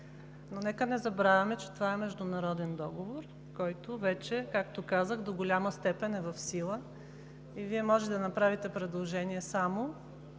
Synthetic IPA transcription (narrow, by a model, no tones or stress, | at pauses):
nonɛkənɛzɐbɾavʲɐmɛt͡ʃɛ̥t̪ovaɛmɛʒd̪ʊnɐɾɔd̪ɛnd̪ɔɡovoɾ | kɔjt̪ovɛt͡ʃɛkakt̪okazəxd̪oɡolʲaməst̪ɛpɛnɛvɐfsilˠə | iviɛmɔʒɛɛd̪ɐnɐpɾavit̪ɛpɾɛd̪lˠoʒɛniɛsamo